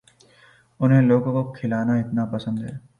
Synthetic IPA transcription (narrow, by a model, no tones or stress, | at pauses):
ʊnɦẽloːɡõkokʰɪlaːnaɪt̪napɐsə̃nd̪ɦɛː